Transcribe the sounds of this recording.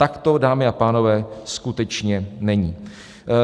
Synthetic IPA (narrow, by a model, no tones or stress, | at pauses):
t̪akt̪odaːmɪapaːno̞vɛːskut̪ɛt͡ʃɲɛnɛɲiː